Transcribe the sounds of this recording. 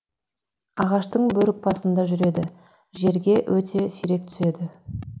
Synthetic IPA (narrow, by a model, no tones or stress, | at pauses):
ɑʁɑʃt̪əɴbɵɾɪk̚pɑsənd̪ɑʒʏɾe̞d̪ɪ | ʒe̞ɾɡʲe̞ʔwʔɵt̪ʰe̞siɾe̞k̚t̪ʰʏ̥se̞d̪ɪ